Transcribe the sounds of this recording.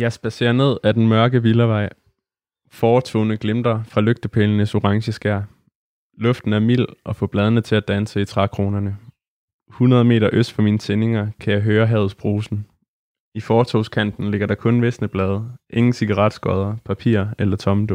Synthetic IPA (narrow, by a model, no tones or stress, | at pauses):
jɑ̈ɪsb̥æse̝̰ːɐne̝ð̞̰ˠæd̥en̩mɶɐɡ̥əʋilɐʋɑ̈ɪ̰ | fɒːt͡sʰo̰ʊnəɡ̥lemd̥ɐfʁɑ̈løɡ̥̚d̥əpʰelənəso̝ʁɑ̈ŋɕəsɡ̥æɐ̰ | lɔ̽fd̥n̩æɐmḭl̰ɒ̽fɔ̰̽b̥lɛːð̞ˠənət͡sʰe̝æd̥ænsəit͡sʰʁɑkʰʁo̝ːnɐnə | hunɐð̞ˠme̝̰ːɾɐʔøsd̥fɒ̽miːnət͡sʰene̝ŋɐkʰæjɑ̈ɪɦøːɐɦɛð̞̩ˠsb̥ʁo̝ːsn̩ | ifɒːt͡sʰoʊskʰæn̰d̥n̩le̝ɡ̥ɐɾ̥ɑ̈kʰɔ̽nʋesnəb̥lɛːð̞ˠʔe̝ŋn̩siɡ̥ɑ̈ʁɑd̥sɡ̥ɒð̞ˠɐpʰæpʰḭɐ̰elɐt͡sʰɒ̽md̥o